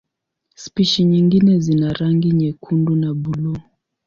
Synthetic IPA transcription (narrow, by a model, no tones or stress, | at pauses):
spiʃiɲiŋɡinɛzinaɾaŋɡiɲɛkʰundunabulu